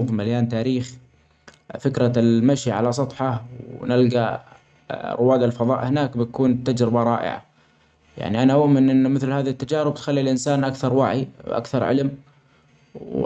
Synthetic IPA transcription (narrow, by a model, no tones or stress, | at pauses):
ðˤmaljaːnt̪aːɾiːx | fɪkɾamaʃiʕa̰las̬ˤɑt̪ˤħɑwnɪlɡa | rʊwːaːd̪alfɑðˤɑ̰ːʔhɪnaːkbɪt̪akuːnt̪ad͡ʒɾɪbaɾˤɑːʔɪ̰ʕa̰ | ja̰ʕniʔanaʔʊʔmɪnʔɪnːmɪθlhaːðat̪ːad͡ʒaːɾɪb̚t̪xalːilʔɪnsaːnʔakθɑɾˤwaʕiwʔa̰kθɑɾˤʕɪ̰lm | w